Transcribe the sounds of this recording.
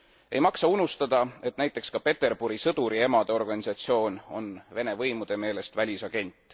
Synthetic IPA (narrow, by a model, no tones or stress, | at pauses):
e̞̰jmɑksɑunust̪ɑd̪̥ɑe̞t̪næjt̪ːˑe̞kskɑpe̞t̪ːe̞rb̥uɾisɤd̪uɾie̞mɑd̪̥eo̞rɡ̥ɑnʲisɑt̪sio̞ːno̞̰nve̞ne̞vɤjmud̪̥e̞me̞ːle̞st̪vælʲisɑɡ̥e̞nʲt̪ːˑ